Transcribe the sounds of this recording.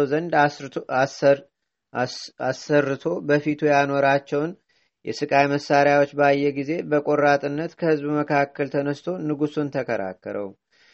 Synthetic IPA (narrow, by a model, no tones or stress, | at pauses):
zənd̪ | asːərːɨt̪ʰo̞bəfit̪ʰujano̞ɾat͡ʃːɛwn | jɛ̰sɨkʼajməsːaɾjawot͡ʃːbəajːɛɡize̞bəkʼo̞ɾat̪ʼɨnːət̪kʰəhɨzbməkʰakːəlt̪ʰənəst̪ʰo̞nɨɡusunt̪ʰəkʰəɾa̰kːə̰ɾʔə̰w